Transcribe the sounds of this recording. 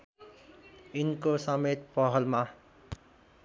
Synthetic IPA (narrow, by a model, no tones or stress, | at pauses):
inkosʌmet̪̚pʌɦʌlma